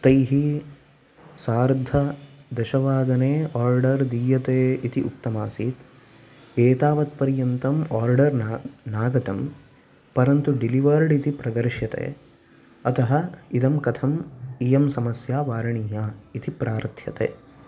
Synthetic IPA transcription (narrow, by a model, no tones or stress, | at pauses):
t̪ɐjɦi | saːɾd̪ʱɐd̪ɐʃɐʋaːd̪ɐneːaːɾɖɐɾd̪iːjɐt̪eːit̪iʔṵkt̪ɐmaːsiːt̪ | eːt̪aːʋɐt̪̚pɐɾjɐnt̪ɐmaːɾɖɐɾnaːɡɐt̪ɐm | pɐɾɐnt̪uɖiliʋɐɾɖit̪ipɾɐd̪ɐɾʃjɐt̪ḛː | ɐt̪ɐɦɐid̪ɐmkɐt̪ʰɐmijɐmsɐmɐsjaːʋaːɾɐɳiɦaːit̪ipɾʔaːɾt̪ʰjɐ̰t̪ḛː